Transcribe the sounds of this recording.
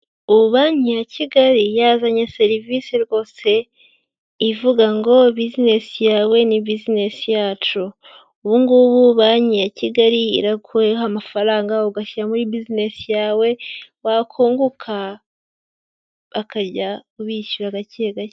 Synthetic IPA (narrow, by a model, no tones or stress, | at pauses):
uβaɲijacʰiɡaɾijazaɲese̞ɾivisiɾɡo̞ːse̞ | ivuɡaŋɡo̞bizine̞sijaːwe̞nibizine̞sijaːt͡ʃu | uβuŋɡuβuβaɲijaciɡaɾḭːɾakuehamafaɾaːŋɡauɡaʃiɾamuɾibizine̞sijaːwe̞wakʰuːŋɡukʰa | βakaɾɟauβiʃuɾaɡaceɡa